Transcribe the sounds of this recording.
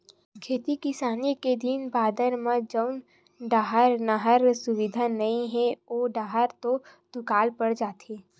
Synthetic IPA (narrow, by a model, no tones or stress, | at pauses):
kʰeːt̪ikɪsaːniked̪inbaːd̪əɾmãd͡ʒəʊn | ɖaːɦəɾnaɦəɾsʊʋɪd̪ʱanɐĩɦɛ̃oːɖaːɦəɾt̪ot̪ʊkaːlpəɽd͡ʒaːt̪eː